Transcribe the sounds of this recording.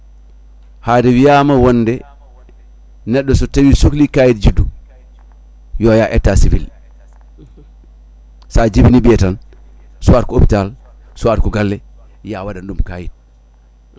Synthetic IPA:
hadɛwijamawɔnːdɛ | nɛɗːɔsɔtawisuklikajitd͡ʒidu | jɔjaʔɛtːasivḭl | sad͡ʒibinibiɛtan | suwatkɔopi̥tal | suwatkɔɡalːɛ | jawadandumkaːjit̚

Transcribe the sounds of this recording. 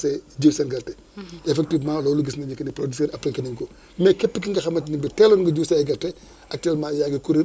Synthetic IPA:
sɛd͡ʒiwsɐnɡɐltɛ | ɛfɛk̚tivmãːlɔːluɡisnɐɲɐkːɐniprodisɛɾɐpɾikɐniŋkɔ | mɛkɛpːik̬iŋɡɐxɐmːɐtːinibitɛːlɔnɡɐɟuːsɐɡɐltɛ | ʔɐk̚tɛlmaːjaɡikuɾi

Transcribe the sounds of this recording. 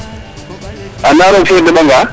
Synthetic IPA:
anaɾɔkɛdɛɓaŋɡa

